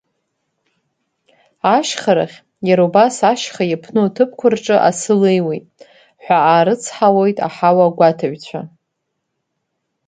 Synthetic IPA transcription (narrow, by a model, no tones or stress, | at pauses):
aʃχaɾa̰χʲ | jaɾubasaʃχajapʰnɨtʰɨpʰkʷʰʊrʈ͡ʂʼɨʔa̰sɨlejwejtʼ | ħʷᶣaaːɾɨt͡sʰħawojtʼa̰ħawaɡʷatʰaɥᶣt͡ɕʷʰa̰